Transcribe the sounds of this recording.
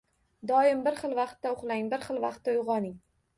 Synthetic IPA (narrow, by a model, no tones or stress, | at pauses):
d̪ɒjɪmbɪɾχɨlˠvɑqt̪ːaʊχlˠaŋbɪɾχɨlˠvɑqt̪̚ːaʊʁɒnɪŋ